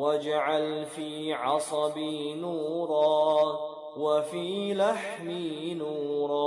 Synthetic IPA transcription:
wad͡ʒaʕalfiːʕɑsˤɑbinuːɾˤɑː | wafiːlaħminuːɾˤɑː

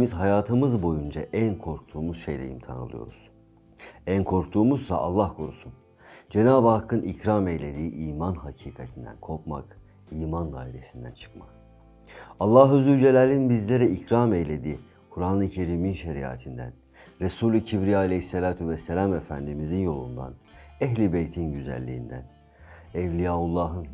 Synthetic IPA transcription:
mizɦajaːt̪ʰɯmɯzbo̞jund͡ʒaʔænkʰo̞ɾk̚t̪ʰuːmuz̥ʃe̞̰jlʲḛjḭmt̪ʰa̰nɯ̰lˠɯ̰jo̞̰ɾuz̥ | ænkʰo̞ɾk̚t̪ʰuːmuzsa̰ʔa̰lˠːahkʰoɾṵsun | d͡ʒe̞naːbakʰːɯnʔicɾamejlʲed̪iːʔiːmanɦacʰiːkʰat̪ʰind̪æ̰nkʰo̞ɾk̚ma̰k | iːmand̪a̰ːiɾe̞sind̪æ̰nt͡ʃʰɯ̥k̚ma̰k | alˠːaːɦɯzyd͡ʒelʲælʲinbizlʲeɾɛicɾaːmejlʲe̞d̪iː | kʰuɾaːnˠɯcʰe̞ɾiːminʃeɾia̰ːt̪ʰind̪æ̰n | ɾesuːlʲycʰibɾijaːlʲehisːelʲaːt̪ʰuvɛselʲamefænd̪imizinjo̞lˠṵnd̪a̰nɛɦlʲibejt̪ʰinɟyzæ̰lʲːḭːnd̪æ̰n | ɛvlʲijaːulˠːaːɦɯn

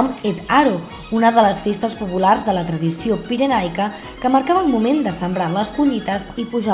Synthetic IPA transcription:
met̪aɾo | unəðələsfest̪əspupularzðələt̪ɾəðisiopiɾənajkə | kəməɾkaβəːlˠmumend̪əsəmbɾaləskuʎit̪əzipuʒa

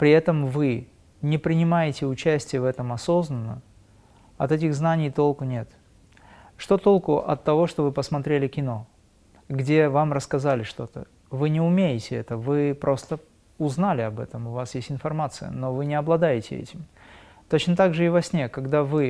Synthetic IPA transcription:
pɾʲɪɛt̪əmvɨ | nʲɪpɾʲɪnʲɪmajɪtʲɪʊt͡ɕæsʲtʲɪjəvɛt̪əmɐso̞znənːə | ɐt̪ɛt̬ʲɪɣznanʲɪjt̪o̞lˠkʊnʲe̞t̪ | ʂt̪ot̪o̞lˠkʊʔɐ̰t̪ːɐvo̞ʂt̪o̞vɨpəsmɐt̪ɾʲelʲɪkʲɪno̞ | ɡdʲe̞vamrəskɐzalʲɪʂt̪o̞t̪ə̰ | vɨnʲɪʊmʲejɪtʲɪɛt̪əvɨpɾʔo̞st̪ə | ʊznalʲɪɐbɛt̪əmʊvasjesʲtʲɪnfɐrmat̪sɨjə̰no̞vɨnʲɪɐblˠɐd̪ajɪtʲɪ̰ɛ̰tʲɪm | t̪o̞t͡ɕnət̪aɡʐɨɪvɐsʲnʲekɐɡd̪avɨ

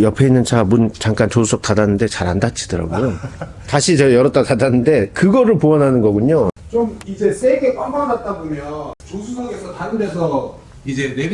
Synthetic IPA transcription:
jʌpʰe̞inːɯnt͡ɕamunt͡ɕaŋk͈ant͡ɕosʰusʰʌk̚t͈adanːɯnde̞t͡ɕaɾandat͡ɕ͈ʰidɯɾa̰ɡojo | taɕʰit͡ɕʌjʌɾʌt͈atadanːɯnde̞kɯɡʌɾɯɭpoʌnɦanɯnɡʌɡuɲot͡ɕomid͡ʑe̞s͈ʰeɡe̞kwamanat̚t͈abomjʌnt͡ɕosʰusʰʌɡesʰʌtaɾɯmdʌsʰʌ | id͡ʑe̞ne

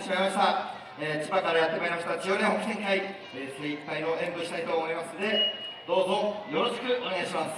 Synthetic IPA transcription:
ɕimaimaɕt̪a | eːt͡ɕibakaɾajat̪ːemaeimaɕ̬i̥t̪at͡ɕioɾẽhokɯ̟sẽŋkai | eseikt̪aĩo̞ʔẽ̞mbɯ̟ɕi̥t̪ait̪o̞ːmo̞imasɨne̞d̪̥o̞ːzo̞jo̞ɾo̞ɕi̥kɯ̟ʔo̞ɲeɡaiɕimas

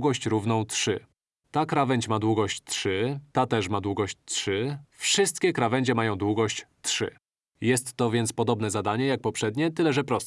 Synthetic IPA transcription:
ɡɔɕt͡ɕɾuvnɔ̃w̃t̪ʂɘ̰ | t̪akɾavɛɲt͡ɕmad̪wuɡɔɕt͡ɕt̪ʂɘt̪at̪ɛʂmad̪wuɡɔɕt͡ɕtʂɘfʂɘst̪kʲɛkɾavɛɲd͡ʑɛmajɔ̃w̃d̪wuɡɔɕt͡ɕt̪ʂɘ̰ | jɛst̪ːɔvʲjɛnt̪spɔd̪ɔbn̪ɛzad̪aɲɛjak̚pɔpʂɛd̪ɲɛt̪ɘlɛʐɛpɾɔst̪

